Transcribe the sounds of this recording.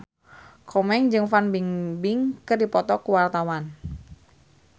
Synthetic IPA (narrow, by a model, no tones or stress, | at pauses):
kʰɔmɛŋd͡ʒɨŋfanbiŋbɪŋkɨrdipɔt̪ɔkuwart̪awan